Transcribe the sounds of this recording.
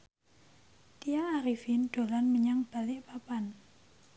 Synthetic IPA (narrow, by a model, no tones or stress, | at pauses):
t̪ijaŋaɾifinɖ̪̥o̤lanməɲaŋb̥a̤lɪʔpapan